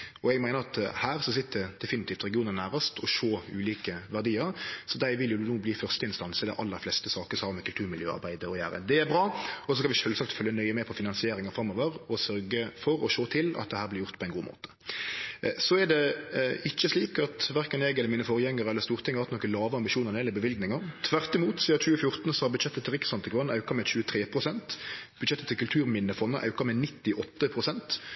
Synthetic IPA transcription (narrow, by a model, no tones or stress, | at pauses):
ɔɛɡmæɪnəɾɑt̪hæːʁsɔsɪt̪ːd̪əd̪̥ɛfɪnɪt̪iːft̪ɾɛɡɪuːnənæːʁəst̪ʰɔʃoːʉːliːkəʋæʁd̪iːəɾsɔd̪æɪʋɪljʊnuːbliːfœʁst̪əɪnst̪ɑnsəd̪ɛ̰ʔɑ̰lːəɾflɛst̪əsɑːkəsɔhɑːɾmɛkʰʉlt̪ʉːɾmɪljøːɑ̰ɾbæɪd̪əɔjæ̰ːɾə̰d̪ɛæɾbɾɑːɔsɔskɑnʋɪʃœːlsɑkt̪fœljənœʏəmɛpʰɔfɪnɑnsɪeːɾɪŋəɾfɾɑmːoːʋəɾɔsœɾɡəfɔɾɔʃoːt̪ʰɪlɑ̰t̪̚d̪ɛhæːɾblɪɾjʊɾt̪pʰɔɛnɡuːmʔo̰ːt̪ə̥ | sɔæɖ̪ɛɪt͡ʃːəsliːkɑt̪ʋæɾkənɛɡɛlːəɾmiːnəfɔɾjɛŋːəɾəɛlːəɾst̪uːʁɾt̪ʰɪŋəɑhɑt̪nɔkːəlɑːʋəɑmbɪʃuːnəʁnɛlɪbəʋɪlɡnɪŋɑɾt̪ʰʋæʁt̪ɪmuːt̪siːɑt͡ʃʉːəfjʊɾt̪n̩sɔhɑɾbʉd̪ʃɛt̪ːət̪ʰːɪlʁɪksɑnt̪ʰɪkʋɑnːɑʉkɑmɛɕʉːət̪ʰɾeːpʰʁʊsɛnt̪b̥ʉd̪ɕɛt̪ːət̪ʰːɪlkʉlt̪ʰʉːɾmɪnːəfɔnːəʔɑ̰ʉkɑmɛnɪt̪ːɪʔɔt̪ːəpʰʁʊsɛnt̪